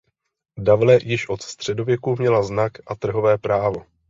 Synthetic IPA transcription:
davlɛjɪʃʔo̞t̪st̪r̝̥ɛdo̞vjɛkumɲɛlaznakʔat̪r̩ɦo̞vɛːpɾaːvo̞

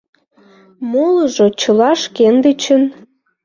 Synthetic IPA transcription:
moləʒot͡ɕəlɑʃkend̪et͡ɕən

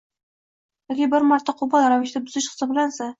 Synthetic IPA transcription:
jɒkʲibɪɾmaɾt̪ʰːaqʰʊbɑlˠɾavɪʃd̪abʊzɪʃqʰɨ̥sɪbɪlansa

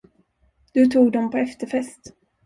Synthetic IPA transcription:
d̪̥ɵt̪ʰuːɡd̪ɔmpʰɔɛft̪əɾfɛst̪

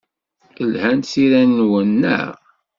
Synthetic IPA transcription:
əlhænt̪siɾænːwənːə̰

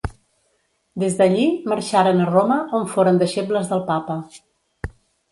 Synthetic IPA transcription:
d̪ezðəʎiməɾʃaɾənəroməʔoɱfoɾənd̪əʃepləzðəlˠpapə

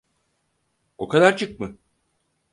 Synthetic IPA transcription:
o̞kʰad̪aɾt͡ʃʰɯk̚mɯ

